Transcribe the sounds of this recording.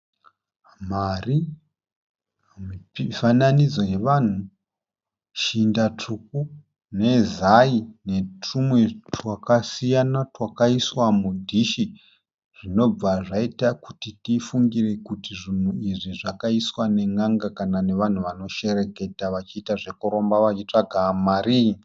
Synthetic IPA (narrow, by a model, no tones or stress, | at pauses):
mari | miifananid͡zo̞je̞ʋan̤u | ʃindat͡ʂʰuk̚u | ne̞zaine̞tumwe̞twakasijanatwakaiswamudʱiʃi | ʐ̥ino̞b͡vaʐaitakutitifuŋɡire̞kutiʐin̤uiʐiʐakaiswane̞ŋɡaŋɡakanane̞ʋan̤uʋano̞ʃe̞ɾe̞ke̞taʋat͡ʃiːtaʐe̞kuɾo̞mbaʋat͡ʃit͡ʂaɡʱamaɾiːi